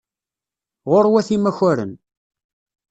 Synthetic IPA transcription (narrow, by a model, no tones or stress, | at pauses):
ʁoɾwæθimæçæɾə̰n